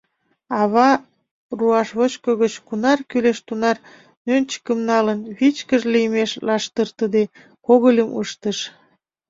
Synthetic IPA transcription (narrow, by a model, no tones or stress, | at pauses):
ɑβɑ | ruɑʃβot͡ɕkoɣət͡ɕkunɑrkyleʃt̪unɑr | nønt͡ɕə̥kəmnɑlənβit͡ɕkəʒliəmeʃlɑʃt̪ərt̪əd̪e | koɣəlʲəmə̰ʃt̪əʃ